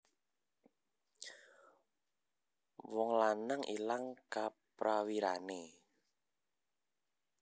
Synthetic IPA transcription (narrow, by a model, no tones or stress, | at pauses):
wɔŋlanaŋʔḭlaŋkapɾawiɾane